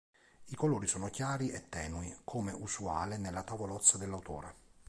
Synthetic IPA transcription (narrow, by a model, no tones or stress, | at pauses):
ikoloːɾisɔːnok̟jaːɾiʔɛt̪ːɛːnuikʰoːmeʔusua̰ːlenelːat̪avolɔt̪sːad̪elːawt̪ɔ̰ːɾe